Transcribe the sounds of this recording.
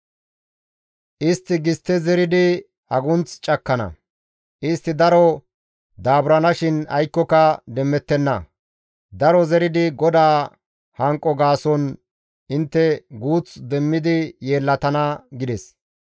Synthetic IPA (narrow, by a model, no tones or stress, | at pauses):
ʔɪst̪ːɪɡɪst̪ːɛzɛɾɪd̪ɪ | hɐɡʊnt͡st͡ʃʼɐkːɐnɐ̰ | ʔɪst̪ːɪd̪ɐɾɔ | d̪aːbɾɐnɐʃɪnɐ̰jkːɔkɐd̪ɛmːɛt̪ːɛnːɐ | d̪ɐɾɔzɛɾɪd̪ɪɡɔd̪aː | hɐŋkʼːɔɡaːsɔn | ɪnt̪ːɛɡuːt͡sd̪ɛmːɪd̪ɪje̞ːlːɐt̪ɐnɐɡɪd̪ɛs